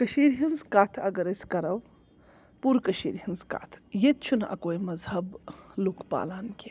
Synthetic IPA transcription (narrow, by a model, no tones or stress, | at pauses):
kɐʃiːɾɦinzkaːt̪ʰɐɡɐɾɐsʲkɐɾɐw | puɾkɐʃḭːɾɦinzka̰t̪ʰjet̪̚t͡ʃʰunɐ̰koːjmɐzhɐblukʰpa̰ːlaːnkʲe